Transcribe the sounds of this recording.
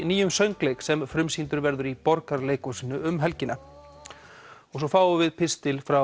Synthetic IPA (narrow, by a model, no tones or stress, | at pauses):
niːjʏmsœɥŋklejksɛmfɾʏmsint̪ʏɾvɛɾðʏɾipɔɾkaɾleːjkɔsiːnʏʏmɦɛlcɪnːa | ɔɣsɔfaːwʏvɪðpʰɪst̪ɪlfɾa